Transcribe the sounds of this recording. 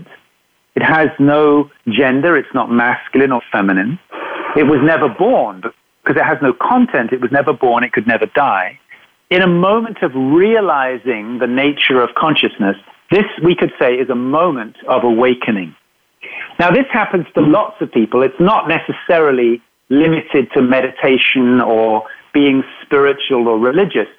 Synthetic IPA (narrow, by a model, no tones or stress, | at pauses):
t | ɨt̚ɦɨznoʊd͡ʒɛ̃ndə˞ɨtsnət̚mæskjl̩ˠɨ̃nə˞fɛmɨnɨ̃nɨt̚wʌznɛvə˞bɔɹnbʌ | kʰʌzɨt̚ɦɨznoʊkʰɑ̃ntʰɛ̃ntɨt̚wʌznɛvə˞bɔɹnɨt̚kʰɨdⁿnɛvə˞daɪ | ɨ̃ɾ̃əmõʊ̃mɨ̃ntʰʌvɹiɨlaɪzɪ̃ŋðɨneɪt͡ʃə˞ʌv̥kʰɑ̃nʃɨsnɨsðɪswikɨd̥seɪɪzəmõʊ̃mɨ̃ntʌvəweɪkʰɨ̃nɪ̃ŋ | naʊðɪshæpɨ̃nz̥tʰəlɔtsʌv̥pipəlˠɨtsnəʔⁿnɛsɨsɛɹl̩ˠi | lɪ̃mɨɾɪd̚tʰɨmɛɾɨtʰeɪʃɨ̃nə˞b̥iɪ̃ŋspɪɹɨt͡ʃul̩ˠə˞ɹɨlɪd͡ʒɨs